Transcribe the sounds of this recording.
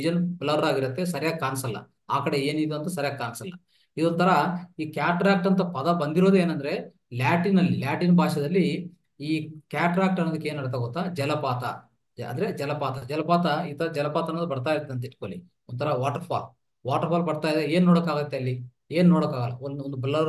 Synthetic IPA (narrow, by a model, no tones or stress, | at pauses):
id͡ʒɐnblɐɾɾaːɡiɾɐt̪ːe̞sɐɾɐjaːɡekaːnsɐlːɐ̰ | aːkɐɽe̞eːnid̪uɐnt̪ɐsɐɾjaːɡekːaːnsɐlːɐ | id̪ont̪ʰɐɾɐiːkjaːʈɾaːk̚ʈɐnt̪ɐpɐd̪ɐbɐnd̪iɾoːd̪ueːnɐnd̪ɐɾe̞ | laːʈinɐlːilaːʈinbʱaːʃɐd̪ɐlːi | iːkjaːʈɾaːk̚ʈɐnːod̪ikːeeːnɐɽt̪̬ɐɡot̪ːaːd͡ʒɛlɐpaːt̪ɐ | ɐ̰nd̪ɐɾe̞d͡ʒɛlɐpaːt̪ɐd͡ʒɛlɐpaːt̪ɐiːt̪ʰɐɾɐd͡ʒɛlɐpaːt̪ɐnɐnd̪ubɐɽt̪aːjiɾɐt̪ːeɐnt̪ɐiʈkoːlḭ | ont̪ʰɐɾɐʋaːʈɐɾpʰa̰ːl | ʋaːʈɐɾpʰaːlbɐɽt̪aːjd̪ee̞ːnnoːɽokaːɡɐt̪ːeɐlːi | eːnunoːɽokaːɡɐlːɐonond̪ublɐ